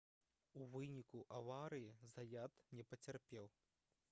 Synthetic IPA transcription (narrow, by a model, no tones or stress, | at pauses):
uvɨnʲikuʔavaɾɨjizɐjat̪nʲɛpɐt͡sʲarpʲɛw